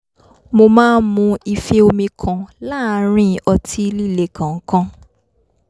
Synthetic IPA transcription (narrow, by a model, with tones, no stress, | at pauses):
mo˧mãː˦n˦mũ˧i˧fe˦o˧mĩ˧kʰã˨la˦ɾ̃ĩ˦˨ɔ˧ti˦˧li˦˨le˨kã˨ŋ̩˦kã˧